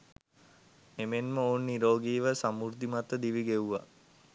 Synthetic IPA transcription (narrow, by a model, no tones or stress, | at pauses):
emenməonːiɾoːɡiːʋəsamuɾd̪imat̪əd̪iʋiɡeʋuʋa̰